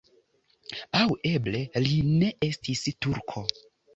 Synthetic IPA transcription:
awe̞ble̞line̞ʔe̞stistuɾkʰo̞

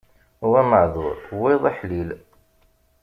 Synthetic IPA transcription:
huwæməʕðʊɾwiðˤiħlil

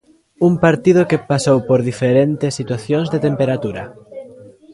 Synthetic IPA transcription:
umpaɾt̪ið̞okepasowpoɾðifeɾent̪esːit̪waθjõŋzðet̪empeɾat̪uɾɐ̰

